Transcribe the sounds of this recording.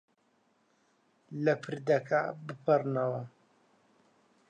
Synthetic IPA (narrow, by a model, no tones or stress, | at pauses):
lɐpʰɨɾd̪ɐkʰabɨpʰɐrnɐwɐ